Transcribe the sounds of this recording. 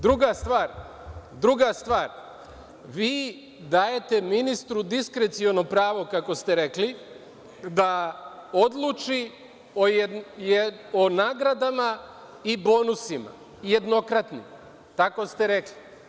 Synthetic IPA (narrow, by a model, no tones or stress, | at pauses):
d̪ɾuɡast̪ʋaːɾ | d̪ɾuɡast̪ʋaːɾ | ʋiː | d̪aːje̞t̪e̞minist̪ɾud̪iskɾet̪sio̞nopɾaːʋo̞kako̞st̪e̞ɾe̞kli | d̪ao̞d̪lˠut͡ʃi | ojonaːɡɾad̪ama | ibo̞nusima̰ | jed̪no̞kɾat̪nḭm | t̪ako̞st̪e̞ɾekli